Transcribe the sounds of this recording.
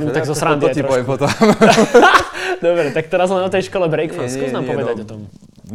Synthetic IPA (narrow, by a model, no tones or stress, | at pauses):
umt̪aɡzɔsɾand̪aɔɛpɔt̪ɔm | d̪ɔbɾɛt̪akt̪ɛɾazɔt̪ɛjʃkɔlɛbɾɛjkfanskɔznaːmpɔvɛd̪acɔt̪ɔm